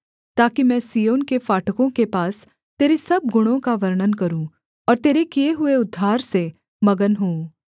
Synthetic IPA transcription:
t̪aːkimɛ̃ːsijoːnkefaːʈəkõkepaːs | t̪eːɾesɐb̚ɡʊɽ̃õkaʋɐɾɳənkɐɾũ | ɔːɾt̪eːɾekijeɦʊeʊd̪ʱːaːɾse | mɐɡənɦõː

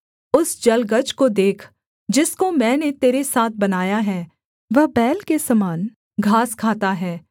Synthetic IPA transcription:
ʊsd͡ʒɐlɡəd͡ʒkod̪eːkʰ | d͡ʒɪskomɛ̃ːnet̪eːɾesaːt̪̚ʰbɐnaːjaɦɛː | ʋɐɦbɛːlkesɐmaːn | ɡʱaːskʰaːt̪aɦɛː

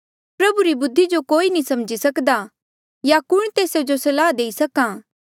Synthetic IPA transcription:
pɾɐbuɾibʊd̪ʱːid͡ʒokoːinisɐmd͡ʒisɐkd̪a | jakʊɽ̃t̪eːsed͡ʒosɐlaːd̪eːisɐkãː

